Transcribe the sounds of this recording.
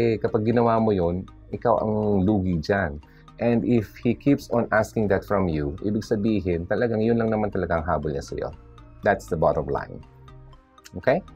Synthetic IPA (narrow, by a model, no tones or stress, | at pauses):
ɛkɐpaɡ̚ːɪnɐwaːmojon | ʔɪkawʔɐ̰ŋluːɡid͡ʒan | ʔɛ̃nd̪ɪfhikʰipsɔnʔaskɪŋd̪ɐt̪fɹɐmjuʔibɪɡsɐbiːɦɪnt̪ɐlɐɡaŋjʊnlɐŋnɐmant̪ɐlɐɡaŋɦaːbolɲɐ̰sɐ̰jo̰ | d̪at̪sd̪ɐbat̪omla̰ɪn | ʔoːkej